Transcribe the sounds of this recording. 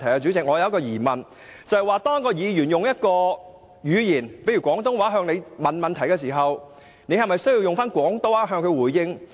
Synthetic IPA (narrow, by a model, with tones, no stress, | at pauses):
t̪ʰɐ˨˩jkɛ˧t͡ʃyː˨˥t͡sɪ˨k̚ŋɔː˨˧jɐ˨˧wjɐ˥kɔ˧jiː˨˩mɐ˨n | t͡sɐ˨˧hjwaː˨˧t̪ɔː˥ŋkɔː˧jiː˨˧jyː˨˩njʊ˨ŋjɐ˥t̚kɔː˧ | jyː˨˧jiː˨˩npe˨˥jɥy˨˩kʷɔː˨˥ŋt̪ʊ˥ŋwaː˨˥ɦœː˧ŋne˨˧jmɐ˨nmɐ˨nt̪ʰɐ˨˩jkɛː˧s̬iː˨˩ɦɐ˨w | ne˨˧jhɐ˨jmɐ˨˩jsji˧wjʊ˨ŋfaː˥nkʷwɔː˨˥ŋt̪o˥wa˧ɦœː˧ŋkʰɵ˨˧ɥwuː˨˩jjɪ˧ŋ